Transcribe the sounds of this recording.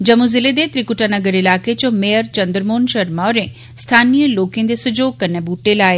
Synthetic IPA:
d͡ʒɐmũzɪled̪et̪ɾikuʈanəɡəɾɪlaːket͡ʃõmejəɾt͡ʃɐ̃nd̪ɾmoːnʃɐɾmaɾẽ | st̪ʰaːnijəloːkẽnd̪esʊd͡ʒoːɡ̚kɐɾnebuːʈelaːe

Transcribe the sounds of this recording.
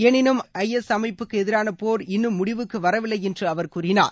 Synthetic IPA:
ɛːnɪnɯmɐjɛsɐmɐɪpːɯkːɯɛðɪɾaːnɐpoːɾɪnːɯmːʊɽɪʋɯkːɯʋɐɾɐʋɪlːɐɪjɛndrɯɐʋɐɾkuːrɪna̰ːɾ

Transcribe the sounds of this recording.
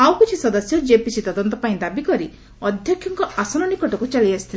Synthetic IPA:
awkit͡ʃʰisɔd̪ɔsjɔd͡ʒepisit̪ɔd̪ɔnt̪ɔpaĩd̪abikɔɾi | ɔd̪ʱjɔkʰjɔŋkɔasɔnɔnikɔʈɔkut͡ʃaliasi̥t̪ʰil

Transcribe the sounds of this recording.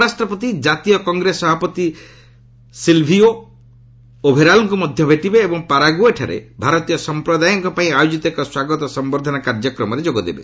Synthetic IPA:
ɾasʈɾɔpɔt̪id͡ʒat̪ijɔkɔŋɡɾesɔbʱapɔt̪i | silbʱio | obʱeɾalɔŋkumɔd̪ʱjɔbʱeʈibeːbɔŋpaɾaɡueʈʰa̰ɾḛbʱaɾɔt̪ijɔsɔmpɾɔd̪ajɔŋkɔpaĩajod͡ʒit̪ɔekɔswaɡɔt̪ɔsɔmbɔɾd̪ʱɔnakaɾd͡ʒɔkɾɔmɔɾed͡ʒoɡɔd̪ebḛ

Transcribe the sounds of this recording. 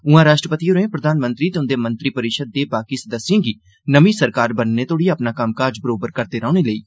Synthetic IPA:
ʊãːɾaːʃʈɾəpət̪iːɦoɾẽːpɾəd̪aːnmə̃nt̪ɾiːt̪eʊnd̪eːmə̃nt̪ɾiːpəɾɪkʃəd̪̚ːeːbaːkiːsd̪əsːjẽːɡiː | nəmiːsəɾkaːɾbənːeːt̪oːɽiːəpnaːkəmkaːɾd͡ʒbəɾoːbəɾkəɾd̪eːɾãːñeːləḭː

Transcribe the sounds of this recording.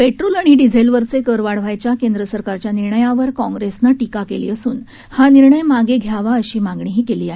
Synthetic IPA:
peʈɾolaɽ̃iɖid͡zʱelʋəɾt͡sekəɾʋaɽʋajt͡ɕjakend̪ɾəsəɾkaɾt͡ɕjaniɾɳəjaʋəɾkɔ̃ŋɡɾesnaʈikakelḭːəsuːn | haniɾɳəjmaɡeɡʱjaʋaəɕiːmãŋɡɳiɦiːkeliːaɦi

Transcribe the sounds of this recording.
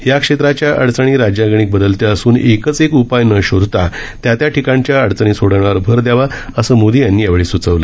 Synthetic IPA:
jakʂet̪ɾat͡ɕjaʔəɽt͡səɽ̃iːɾad͡ʑjaɡɳ̃iːk̚bəd̪əlt̪eəsuːnekət͡sekupajnəɕod̪ʱt̪a | t̪jat̪jaʈʰikãɳt͡ɕjaəɽt͡saɽ̃iːsoɽaɽ̃aɾbʱəɾd̪jaʋaəsəmod̪ʱijanːiːjaʋɭiːsut͡səʋlə

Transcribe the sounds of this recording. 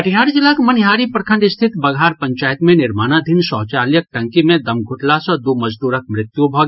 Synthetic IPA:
əʈʰjaɾd͡ʒɪlakmənɦaːɾipɾəkʰə̃ɳɖɪst̪ʰɪt̪bəɡʱaːɾpə̃ɲt͡ʃaːjt̪mẽnɪɾmaːnad̪ʱinsɔːɦt͡ʃaljək̚ʈə̃ŋkimẽd̪əmɡʱʊʈlasə̃d̪uməd͡ʒd̪uːɾək̚mɾɪt̪jubʱɔɡ

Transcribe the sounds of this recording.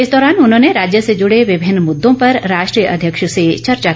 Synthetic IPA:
ɪsd̪ɔːɾaːnʊnɦõːneɾaːd͡ʒjəsed͡ʒʊɽeʋɪbʱɪnmʊd̪ːõpɐɾɾaːʃʈɾiːjəʔɐ̰d̪ʱjəkʃset͡ʃɐɾt͡ʃa

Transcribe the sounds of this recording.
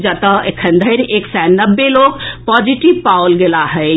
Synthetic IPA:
d͡ʒət̪əekʰənd̪ʱəɪɾeksanəbːeloɡpɔd͡ʒiʈibpaolɡelaɦəɪ

